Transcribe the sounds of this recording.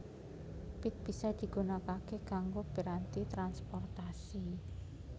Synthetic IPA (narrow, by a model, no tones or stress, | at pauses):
pɪt̪̚b̥isad̪̥i̤ɡ̥o̤nakakekaŋɡob̥i̤ɾant̪it̪ɾanspɔrt̪asi